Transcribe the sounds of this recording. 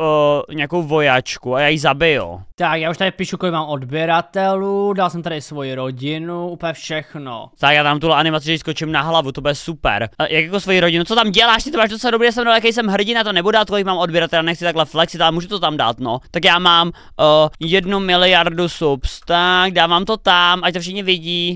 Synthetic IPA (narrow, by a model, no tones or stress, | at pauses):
ɲɛakowvojat͡ʃkuajaːjizabɪjṵt̪akjaːuʃt̪adɪpiːʃukɔlɪkmaːmodbɪɛɾat̪ɛludalsɛmt̪aɾɪsvojiɾoɟɪnuʔuːplɲɛfʃɛxno̰t̪akjaːt̪amt̪ulɛʔanɪmat͡sɪʒɛs̬kot͡ʃɪmnaɦlavut̪obudɛsupɛ̰ɾjakjakosvojiɾoɟɪnut͡sot̪amɟɛlaːʃt̪ɪt̪omaːʒd̪osadobɾijas̬ɛmndolɛjakɛjs̬ɛmɦr̩ɟɪnat̪onɛbudɛat̪kolɪk̚maːmodbjɪɾat̪ɛlanɛxt͡sɪt̪aklɛflɛksɪt̪ʔalɛmuːʒut̪ot̪amda̰ːt̪not̪akjaːmaːmː | jɛdnumɪlɪjaɾdusupst̪aɡdaːvaːmt̪ot̪amʔac̚t̪ofʃɪxɲɛvɪɟiː